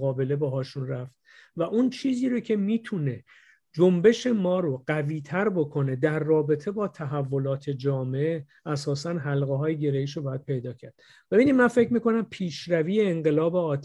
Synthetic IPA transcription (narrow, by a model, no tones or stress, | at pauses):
ɣɒːbe̞le̞bɒɦɒːʃunræft̪̚væʔunt͡ʃʰiːziːɾocʰe̞miːt̪ʰune̞ | d͡ʒo̞mbe̞ʃe̞mɒːɾoɢæviːt̪ʰæɾbo̞kʰo̞ne̞d̪æɾːɒːbe̞t̪ʰe̞bɒːt̪ʰæɦævːo̞lɒːt̪ʰe̞d͡ʒɒːmee | æsɒːsænɦælɣeɦɒːjeɟe̞ɾeiːʃobɒːjæd̪̚pʰe̞jd̪ɒːcʰæɾd̪̥̚ | be̞biːnid̪mænfe̞cʰɾmiːko̞næmpʰiːʃɾæviːjeːŋɢe̞lɒːbe̞ɒːt̪ʰ